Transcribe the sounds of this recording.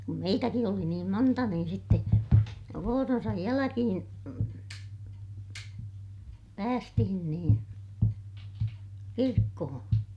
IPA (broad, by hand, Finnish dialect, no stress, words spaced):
kum meitæki oli niːm montɑ niːn sitːe ʋoːronsɑj jælækihĩː pæːstihin niːn kirkːohõː